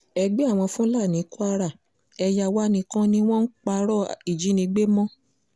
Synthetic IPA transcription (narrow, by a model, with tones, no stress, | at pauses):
ɛ˧ɡ͡be˦a˦˨w̃ɔ̃˧fũ˦la˦˨nĩ˨˦ku˦a˧ɾa˦˨ | ɛ˧ja˨wa˦nĩ˧kã˦nĩ˦w̃ɔ̃˦n̩˦k͡pa˧ɾɔ˦˨i˨d͡ʒi˨˦nĩ˧˦ɡ͡be˦mɔ̃˦